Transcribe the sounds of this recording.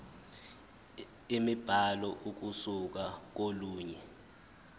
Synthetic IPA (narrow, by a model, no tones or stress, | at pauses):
imib̥ʱalɔʔuk̬usuk̬ak̬oluːɲɛ